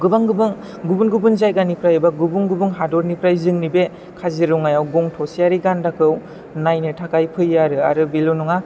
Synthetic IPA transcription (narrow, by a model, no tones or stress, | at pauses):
ɡɯbaŋɡɯbɯŋ | ɡubunɡubɯnzajɡanipʰɾajɯbaɡubuŋɡubɯŋɦadɔɾnipɾajzɯŋnibe | kʰaziɾɔŋajawɡɔŋtʰɔsijaɾiɡandakʰɯw | najnɯtʰakajpʰɯjːaɾɯa̰ɾɯbilonɔŋa